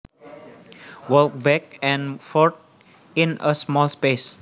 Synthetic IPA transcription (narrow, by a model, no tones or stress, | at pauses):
wəlk̚bɛk̚ɛ̃nfɔʈ̚ | ĩnəsmɔlspes